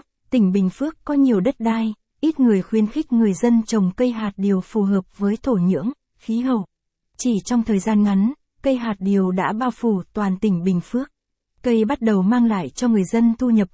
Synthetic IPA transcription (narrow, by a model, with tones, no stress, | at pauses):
t̪ï˧˩ŋ̟ɓï˨˩ŋ̟fɨ˦˥əkːɔ˨˦ɲi˨˩əwɗə˦˥t̚ɗaː˧j | ʔi˦˥t̚ŋɨ˨˩əjxwi˧ənxï˦˥k̟̚ŋɨ˨˩əjzə˧nt͡ɕə˨˩wŋ͡mkə˧jɦaː˨˩t̚ɗi˨˩əwfu˨˩ɦəː˨˩p̚vəː˨˦jt̪ʰo˧˩ɲɨ̰˧˥əŋ | xi˨˦ɦə˧˩w | t͡ɕi˧˩t͡ɕɔ˧wŋ͡mt̪ʰəː˨˩jzaː˧nŋa˨˦n | kə˧jɦaː˨˩t̚ɗi˨˩əwɗa̰ː˧˥ɓaː˧wfu˧˩t̪waː˨˩nt̪ï˧˩ŋ̟ɓï˨˩ŋ̟fɨ˦˥ək̚ | kə˧jɓa˦˥t̚ɗə˨˩wmaː˧ŋla̰ː˧˨jt͡ɕɔ˧ŋɨ˨˩əjzə˧nt̪ʰu˧ɲə˨˩p̚